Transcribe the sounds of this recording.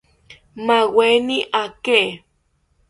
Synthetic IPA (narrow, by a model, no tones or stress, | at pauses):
maweniʔake